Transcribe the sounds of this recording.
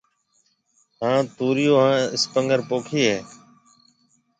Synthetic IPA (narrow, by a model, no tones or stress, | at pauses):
ɦãːt̪uːɾɪjoːɦãːɪspəŋɡəɾpoːkʰiːɦeː